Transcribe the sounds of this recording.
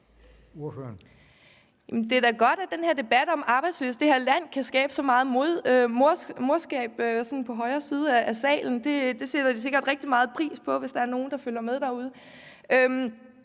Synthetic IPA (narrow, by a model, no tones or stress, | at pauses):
oføɐn | jæmnd̥e̝ɐd̥æɡ̥ɒ̽d̥æd̥enhe̝ɐ̰d̥e̝b̥æd̥ɒ̽mɑ̈ːb̥ɑ̈ɪd̥sly̰ːsd̥e̝heɐ̰læn̰kʰæsɡ̥ɛːb̥əsɒ̽mɑ̈ːð̞̩ˠmoðˠmoɐmo̝ɐsɡ̥ɛ̰ːb̥sɒ̽nn̩pʰɒ̽ɦɒ̽ɪɐːsiːð̞ˠəæʔæsɛ̰ːln̩d̥e̝d̥e̝sed̥ɐd̥is̬e̝ɡ̥ɐd̥ʁɛɡ̥̚d̥imɑ̈ːð̞̩ˠpʰʁḭːspʰɒ̽ʋe̝sd̥ɑ̈æɐno̝ːn̩d̥ɑ̈føl̰jɐmeðˠd̥ɑ̈uð̞ˠə | øm